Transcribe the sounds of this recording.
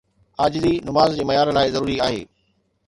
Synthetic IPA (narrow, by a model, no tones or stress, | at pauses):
aːd͡ʑɪzinʊmaːzd͡ʑeːmɐjaːɾlaːɪzɐɾuːɾiaːɦḛː